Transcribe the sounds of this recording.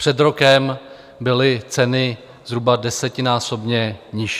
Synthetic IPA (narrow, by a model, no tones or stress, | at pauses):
pr̥ɛd̪ɾo̞kɛm | bɪlɪt͡sɛnɪ | zɾubadɛsɛcɪnaːso̞bɲɛɲɪʃ